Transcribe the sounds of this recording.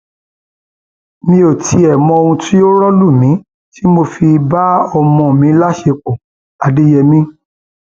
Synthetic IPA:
mĩ˧o˨tʰi˨˧ɛ˨mɔ̃˧o˧ũ˧ti˦jo˦ɾɔ˦lu˦˨mĩ˨˦ | tʰi˦mo˧fi˧ba˦ɔ˧mɔ̃˧˨mĩ˨˦la˦ʃe˧k͡po˨ | a˧de˦jɛ˧mĩ˦

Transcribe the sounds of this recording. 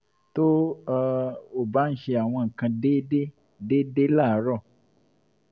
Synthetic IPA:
to˦ | o˦˨ba˨˦n̩˦ʃe˧a˨w̃ɔ̃˧ŋ̩˨kã˧de˦de˦ | deː˦de˦la˦˨˦ɾɔ˦˨

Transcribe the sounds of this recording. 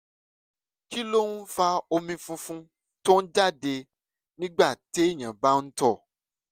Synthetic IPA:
ki˦lo˦ũ˦fa˧o˧mĩ˧fũ˧fũ˦ | to˦n̩˦d͡ʒa˦˨de˧ | nĩ˦ɡ͡ba˦˨te˨˦ĩ˦˨ã˨ba˦n̩˦tɔ˦˨

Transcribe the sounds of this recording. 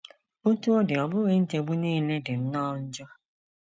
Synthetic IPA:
o˦tu˦o˦dɪ˨ɔ˨bʊ˦ɣe˦n̩˦te˨ɡ͡bu˦niː˦le˦dɪ˨m̩˦nɔ˦n̩˦d͡ʒɔ˦

